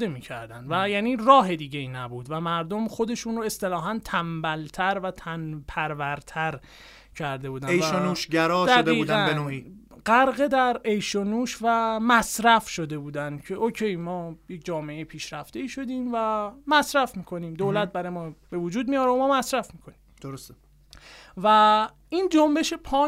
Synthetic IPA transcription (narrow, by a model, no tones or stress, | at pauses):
emiːcʰæɾd̪ænd̪væjæːniːrɒːɦe̞d̪iːɟeinæbuːd̪væmæɾd̪o̞mχo̞d̪e̞ʃuːnroe̞st̪e̞lɒːɦænt̪ʰæmbælt̪ʰæɾvæt̪ʰænpʰæɾvæɾt̪ʰæɾ | cʰæɾd̪e̞buːd̪ænejʃonuːʃɟæɾɒːd̪æɡ̪eiːuːɡdæbenoiː | ɢæɾɣed̪æɾejʃonuːʃvæmæsɾæfʃo̞d̪e̞buːd̪ænd̪̥cʰe̞ʔocʰe̞jmɒːjec̚d͡ʒɒːmeejepʰiːʃɾæft̪e̞iːʃo̞d̪iːmvæmæsɾæfmiːkʰo̞niːmd̪oːlæt̪̚bæɾːjemɒːb̥e̞vod͡ʒuːd̪̚mijɒːɾeomɒːmæsɾæfmiːkʰo̞nimd̪̥oɾost̪e | væ | iːnd͡ʒombe̞ʃepʰɒː